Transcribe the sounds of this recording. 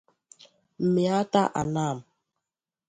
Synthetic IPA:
m̩˨mi˨a˦ta˦ʔa̰˨na˦˨m

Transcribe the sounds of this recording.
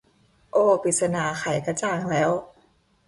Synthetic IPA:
ʔoː˧˩pi˨˩t̪̚sa˧naː˧˩xʰa˨˩˦jka˧t͡ɕaː˧˩ŋlɛː˦˥w

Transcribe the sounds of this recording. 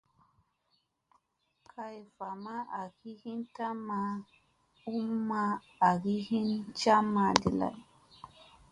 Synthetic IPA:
kʰa˨jfa˨ma˦ʔa˨ki˦hi˦nta˦ma˦ | u˦mːa˦ | a˨ɡi˦hi˦nt͡ʃa˦mːa˨dḭ˨la̰˨j

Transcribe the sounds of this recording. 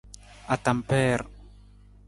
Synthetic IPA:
a˨t̪a˨mpɛː˦ɾ

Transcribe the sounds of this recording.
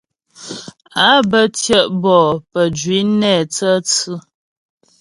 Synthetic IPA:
a˨˦bə˦tjə˦ʔbɔ˨pə˨d͡ʒɥi˨˦nɛ˦˨t͡sə˦t͡sɨ˦

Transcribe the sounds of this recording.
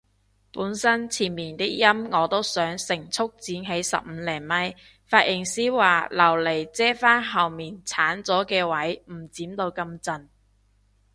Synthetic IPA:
puː˨˥nsɐ˥nt͡sʰiː˨˩nmiː˨˩nt̪ɪ˥k̚jɐ˥mŋɔː˨˧t̪o˥wsœː˨˥ŋsɪ˨˩ŋt͡sʰʊ˥k̚t͡siː˨˥nɦe˨˥jsɐ̰˨p̚m̩ː˨˧lɛː˨˩ŋmɐ˥j | faː˧t̚jʔɪ˨˩ŋsiː˥waː˨˩lɐ˨˩wle˨˩jt͡sɛː˥faː˥nɦɐ˨wmiː˨˩nt͡sʰaː˨˥nt͡sɔː˨˥kɛː˧wɐ˨˥jm̩˨˩t͡siː˨˥mt̪o˧wkɐ˧mt͡sɐ˧n

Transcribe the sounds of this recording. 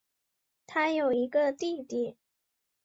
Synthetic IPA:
t̪ʰa˥jo˨˩ʊi˧˥ɡə˧t̪i˥˩t̪i˨˩˦

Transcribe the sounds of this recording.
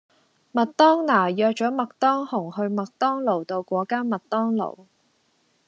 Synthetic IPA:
mɐ˨t̚t̪ɔː˥ŋnaː˨˩jœː˧k̚t͡ʃɔː˨˥mɐ˨k̚t̪ɔː˥ŋhʊ˨˩ŋhɵ˧ɥmɐ˨k̚t̪ɔː˥ŋlo˨˩wt̪o˧wkʷɔː˨˥kaː˥nmɐ˨t̚t̪ɔː˥ŋlo̰˨˩w

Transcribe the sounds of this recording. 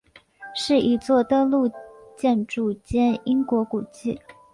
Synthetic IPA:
ʂɻ̩˥˩ʔi˧˥t͡swɔ˥˩t̪ɤ˥lu˥˧t͡ɕjɛ˥˧nʈ͡ʂu˥˩t͡ɕjɛ˥ni˥ŋkwɔ˧˥ku˨˩t͡ɕi˥˩

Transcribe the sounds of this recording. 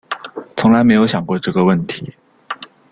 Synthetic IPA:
t͡sʰʊ˧˥ŋla˧˥ɪme˧˥ɪjo˧˥ʊɕjɑ˨˩ŋkwɔ˥˧ʈ͡ʂɤ˥˩ɡə˩wə˥˩nt̪ʰi˨˥˦

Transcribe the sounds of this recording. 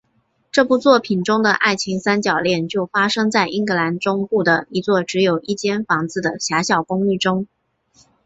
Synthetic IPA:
ʈ͡ʂɤ˥˩pu˥˧t͡swɔ˥˩pʰi˨˩nʈ͡ʂʊ˥ŋd̪ə˨ʔa˥˩ɪt͡ɕʰi˧˥ŋsa˥nt͡ɕjɑ˨˩ʊljɛ˥˧nt͡ɕjo˥˩ʊfa˥ʂɤ˥ŋt͡sa˥˩ɪʔi˥ŋkɤ˧˥la˧˥nʈ͡ʂʊ˥ŋpu˥˩d̪ə˩i˧˥t͡swɔ˥˩ʈ͡ʂɻ̩˧˥jo˨˩ʊʔi˥˩t͡ɕjɛ˥nfɑ˧˥ŋt͡sɹ̩˥˩d̪ə˩ɕja˧˥ɕjɑ˨˩ʊkʊ˥ŋy˥˩ʈ͡ʂʊ˥ŋ

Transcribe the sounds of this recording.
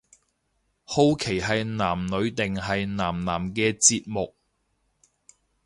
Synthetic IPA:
ho˧wkʰe˨˩jɦɐ˨jnaː˨˩mnɵ˨˧ɥt̪ɪ˨ŋɦɐ˨jnaː˨˩mnaː˨˩mkɛː˧t͡siː˧t̚mʊ˨k̚

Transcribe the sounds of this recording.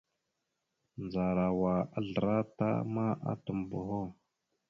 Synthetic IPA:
nd͡za˨ɾa˨wa˨a˦ɮə˨ɾa˦ta̰˦ma˦ʔa̰˦tə˨m˨bo˨ho˦

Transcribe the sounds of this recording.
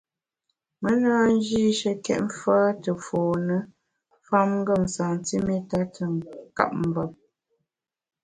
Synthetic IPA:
mə˦naː˦n˦d͡ʒi˦ʃə˦kɛ̰˦ʔ̚m̩˦faː˦tə˨fɔː˨nə˦ | fa˦mŋ̩˦ɡə˦˨m˨saː˨n˨ti˦me˦ta˦tʰə˨ŋka̰˦p̚m̩˨bə˨p̚

